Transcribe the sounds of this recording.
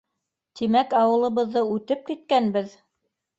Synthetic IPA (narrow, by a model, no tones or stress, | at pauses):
t̪imækɑwɤ̆lˠɤ̆βɤ̆ðːɤʉt̪ɘp̚kit̪̚kænbɘð